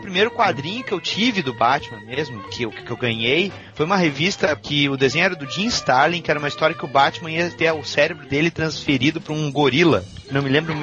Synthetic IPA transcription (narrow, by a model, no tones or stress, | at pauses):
ʊpɾimejɾʊkwad̪ɾĩɲʊkɪewt͡ʃivɪd̪ʊbat͡ʃmɐ̃mezmʊkʰɪkkewɡɐ̃ɲej | fojũmɐɦevist̪ɐkʰɪʊd̪ezẽj̃ʊɛɾɐd̪ʊd͡ʒĩst̪aɾlĩkɪɛɾɐũmɐist̪ɔɾjɐkɪʊbat͡ʃɪmɐ̃iɐt̪eɾʊsɛɾebɾʊd̪elɪt̪ɾɐ̃sfeɾid̪ʊpɾʊũɡoɾilɐ̰ | nɐ̃w̃mɪlẽmbɾʊmũ